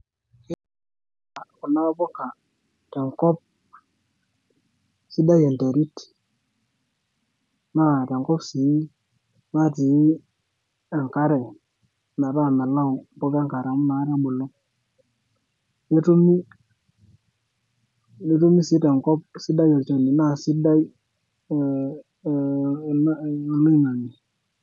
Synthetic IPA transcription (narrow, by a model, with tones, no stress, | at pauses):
ɪ˦a˨ku˨na˦bɔ˦ka˨ | tɛ˨ŋkɔ˦p̚ | si˦da˦jɛ˨nte˨ɾi˦t | ma˦˨tɛ˨ŋkɔ˦psi˨˦ | ma˦˨ti˨˦ | ɛ˨ŋka˦ɾɛ˨ | na˨ɾa˦˨mɛ˨la˦u˨mpɔ˦kɛ˦ŋka˨ɾa˨mu˦na˨˦ɾɛ˦ɓu˨lːɔ˦ | ne˦tu˦mi˦ | ne˦tu˦mi˦si˨˦tɛ˨ŋkɔ˦p̚si˦da˦jɔ˨ɾt͡ʃɔ˨ni˨na˦˨si˦da˦i˦˨˦ | lo˦i˦ŋa˨ŋi˨